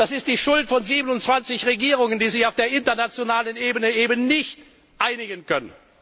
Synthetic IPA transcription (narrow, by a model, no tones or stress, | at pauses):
d̥asɪst̚d̥iːʃʊltfɔnziːbənʊntt͡sv̥ant͡sɪçʁeɡiːʁ̞ʊŋəndiːzɪçaʊfd̥eːɐʔɪntɐnat͡sjonaːlənʔeːbənəeːbənnɪçt | ʔaɪnɪɡənkʰœnən